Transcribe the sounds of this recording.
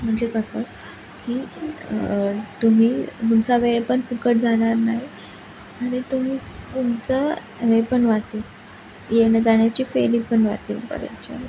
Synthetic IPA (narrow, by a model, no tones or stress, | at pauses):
m̤əɳd͡zekəsə | kiː | t̪umiːɡ̪umt͡saʋeɾpəɳfikəʈ̚d͡zʱanaɾnaɦi | aɽ̃it̪um̤iːɡ̪umt͡sə | ʋepəɳʋat͡siːl | jeʋɳed͡zaɳjat͡ɕiːfelipəɳʋa̰t͡sḭːlpə̰ɾə̰t͡ɕə̰